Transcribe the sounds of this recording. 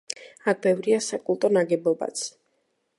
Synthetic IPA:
ak̚ʰbɛvɾiasakʼulˠt̪ʼɔnaɡɛbɔba̰t̪sʰ

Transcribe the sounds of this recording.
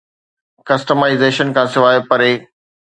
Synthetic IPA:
kɐsʈəmaːɪzeːʃənkʰãːsɪʋaːjopɐɾeː

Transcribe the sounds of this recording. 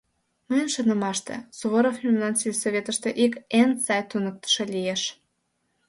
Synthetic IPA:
məjənʃənə̆mɑʃt̪ḛsuβoɾofnʲimlɑnsilʲsoβʲet̪əʃt̪eʔikensɑjt̪unək̚t̪ə̥ʃelijeʃ

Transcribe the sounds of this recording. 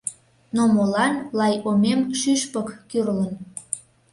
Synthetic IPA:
nomolɑnlɑjomemʃyʃpəkːyrlən

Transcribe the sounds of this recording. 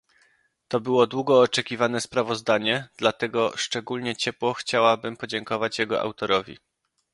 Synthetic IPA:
t̪ɔbɘwɔd̪wuɡɔːt͡ʂɛkʲivanɛspɾavɔzd̪aɲɛd̪̥lat̪ɛɡɔʂt͡ʂɛɡulɲɛt͡ɕɛpwɔxt͡ɕawabɘmpɔd͡ʑɛŋkɔvat͡ɕjɛɡɔ̰ʔa̰wt̪ɔɾɔvʲḭ

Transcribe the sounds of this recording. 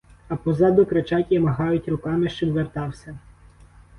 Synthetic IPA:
ɐpɔzɑd̪ɔkɾet͡ʃɑtʲjimɐɦɑjʊtʲɾʊkɑmɪʃt͡ʃɔbʋert̪ɑwsʲɐ

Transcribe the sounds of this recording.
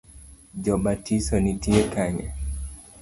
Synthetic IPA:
d͡ʒɔbatisɔnitiekaɲɛ̰

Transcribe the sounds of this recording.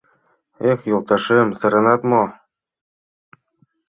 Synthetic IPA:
exjulˠt̪ɑʃɤmsɤ̆ɾɤ̆nɑt̪mo

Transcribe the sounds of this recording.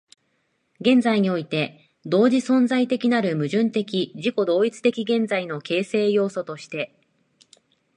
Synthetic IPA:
ɡẽ̞nzaiɲ̟io̞it̪e̞ | d̪o̞ːʑisõ̞nd͡zait̪e̞kʲinaɾɯ̟mɯ̟ʑɨ̃nt̪e̞kʲiʑiko̞d̪o̞ːit͡sɨ̥t̪e̞kʲiɡẽ̞nzaino̞ke̞ːse̞ːjo̞ːso̞t̪o̞ɕi̥t̪e̞

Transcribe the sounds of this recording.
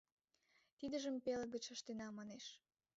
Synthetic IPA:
t̪id̪əʒəmpeləɡət͡ɕəʃt̪enɑmɑneʃ

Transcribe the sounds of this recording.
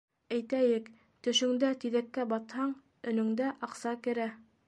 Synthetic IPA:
æjt̪æjɘk | t̪ɵ̆ʃɵ̆ŋd̪æt̪iðækːæbɑt̪hɑɴ | ɵ̆nɵ̆ŋd̪æʔɑqsɑkɘ̆ɾæ

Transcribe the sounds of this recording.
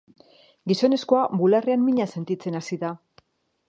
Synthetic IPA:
ɡiso̞ne̞sko̞abulareanmiɲase̞nt̪it͡se̞nasiða

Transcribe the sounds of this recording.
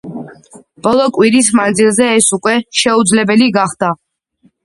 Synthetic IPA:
b̥ɔlˠɔkʼwiɾismand̪zilˠzɛːsukʼwɛʃɛud̪zlɛbɛliɡaχd̪̥a

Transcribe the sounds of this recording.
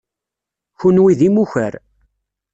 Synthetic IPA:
çunwiðimuçə̰ɾ

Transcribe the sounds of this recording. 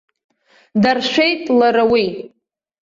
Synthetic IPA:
darʃʷᶣejtʼlaɾawi

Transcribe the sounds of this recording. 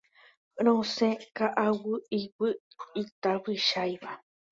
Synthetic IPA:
ɾ̃õsẽkaʔawɨiwɨ | it̪aβɨʃajβa

